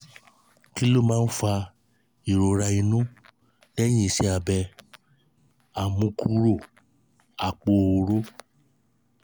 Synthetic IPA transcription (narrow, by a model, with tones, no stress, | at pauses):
ki˦lo˦˨mãː˦˧˦n̩˦fa˧ | i˨ɾo˨ɾa˧i˧nũ˦ | lɛ˦j̃ĩ˦i˧˨sɛ˨˦a˧bɛ˧ | a˨mũ˨˦kʰu˦ɾo˦˨ | a˨k͡po˧˨o˧˨ɾo˦